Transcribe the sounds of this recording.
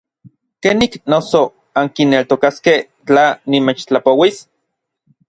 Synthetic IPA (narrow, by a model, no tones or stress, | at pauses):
keniknoso | aŋkinːelt̪okaskeh | t͡ɬanimet͡ʃt͡ɬapowis